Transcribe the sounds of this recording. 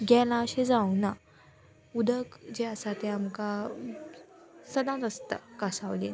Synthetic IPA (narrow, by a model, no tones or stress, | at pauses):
ɡɛlãəɕẽd͡zauna | ud̪ʱəkd͡ʑeəsat̪eamka | səd̪ãt̪əst̪a̰kasaʋlen